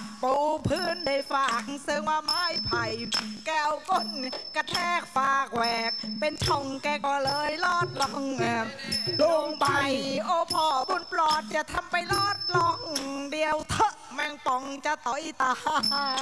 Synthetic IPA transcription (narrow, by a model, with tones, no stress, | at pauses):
puː˧˩pʰɯː˧˩nda˧˩jfaː˨˩k̚sɤ˧ŋwaː˧maː˧˥jpʰa˨˧˩jkɛː˧˩wko˧˥˩nka˧t̪ʰɛː˧˩k̚faː˨˧˩k̚wɛː˨˩k̚pe˧nt͡ɕʰɔ˧˩ŋkɛː˧˩kɔː˧˩lɤː˧jlɔː˧˥˩t̪̚lɔ˧ŋʔaː˧˩lu˧˩ŋpa˧jʔoː˧˦pʰɔː˧˩bu˧˨nplɔː˧˩t̪̚t͡ɕa˧˩t̪ʰa˧mpa˧jlɔː˧˥˩t̪̚lɔ˧ŋdi˧əwt̪ʰɤ˧˩ | mɛ˧ŋt̪ɔ˧˩ŋt͡ɕa˧t̪ɔː˨˧˦ʔi˧˩t̪aː˧